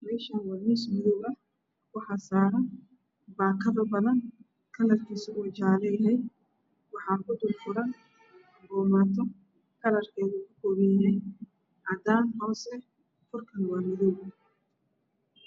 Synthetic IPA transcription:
mɛːʃɐnwɑːnismɪðɔβɐ | wɑħɑːsaːɾɐ | baːkʰɐðɐbɐðɐn | kʰɐlɐrkʰiːsɔʊt͡ʃaːlɛjɦɛj | wɑħɑːkʰʊd̪ʊlfʊɾɐn | ɡɔːmaːt̪ʰɔ | kʰɐlɐrkʰɛːɣʊkʰʊkʰɔːβɪjɦɛj | ʔɐd̪aːnhɐslɛ | kʰʊrkʰɐnwaːmɪðɔɡɐ

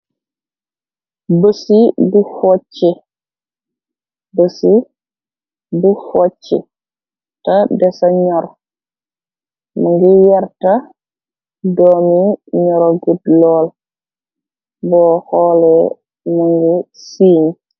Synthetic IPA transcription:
bəsibufɔt͡ʃːɛ | bəsi | bufɔt͡ʃːɛ̰ | tadɛsaɲɔɾ | muŋɡijaɾta | dɔmiɲɔɾoɡudlɔːl | bɔːhɔːlɛ | muŋɡi | siːɲ

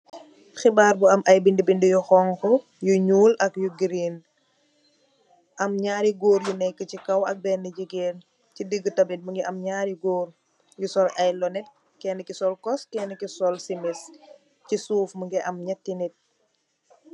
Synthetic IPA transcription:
xibaːɾbuɐmʔɐjbindibindijuxɔŋkɔ | juɲuːlɐkjuɡɾiːn | ʔɐmɲaːɾiɡoːɾjunɛjkːəcikɐwɐk̚bɛnːəɟiɡeːn | cidəɡːətɐbit̚muŋɡɛʔɐmɲaːɾiɡoːr | jusɔlʔɐjlɔnɛt̚ | kɛːnəkisɔlkɔskɛnəkisɔlsimɛs | cisuːfmuŋɡɛʔɐmɲɛtːinit̚

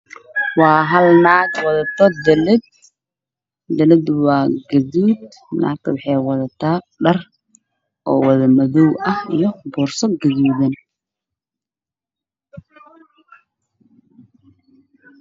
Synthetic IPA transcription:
wɑːɦɐlnaːɡwɐðɐt̪ʰɔd̪ɛlɛd̪̚ | d̪ɐlɛd̪wɑːɡɐðuːd̪ | nʔa̰ːk̚t̪ʰɐwɑħɛjwɑðɐt̪ʰaː | ɖɐr | ʔɔːwɐðɐmɐðɔwʔɐhijɞbɔːrsɐɡɐðuːðɐn

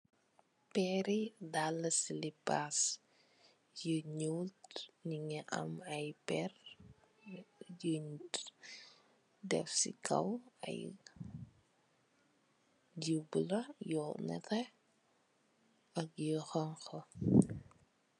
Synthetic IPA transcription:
pɛɾidalːɐsilipas | jəɲuwltniŋɛʔɐ̰mɐjpɛr | jəɲt | dɛ̰fsḭkʰɐ̰wɐ̰j | d͡ʒublɐjɔnɛ̰tɛ | ɐkjəxɔŋxɐ

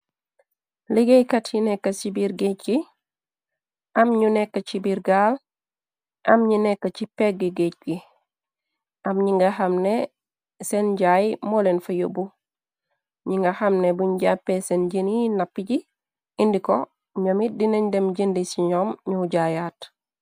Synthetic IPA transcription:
liɡejkatjinɛkːɐsibiɾɡet͡ʃɡi | ʔɐmɲunekːɐt͡ʃibiɾɡal | ʔɐmɲinɛkːat͡ʃipekɡɡiɡec̚ki | ɐmɲiŋɡɐhamne | senɟaːjimolenfɐjobu | ɲiŋɡɐhɐmnebuɲɟapːesenɟininapːiɟi | indiko | ɲamidinendemɟindisiɲomɲuɟajaːt

